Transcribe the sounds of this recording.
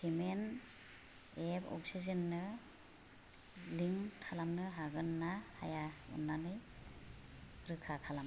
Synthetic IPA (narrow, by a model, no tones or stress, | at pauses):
kʰimen | ebɔ̰k̚sizɯnːɯ | liŋtʰalamnɯɦaɡɯnːahajaṵnːanɯj | ɾɯkʰakʰalam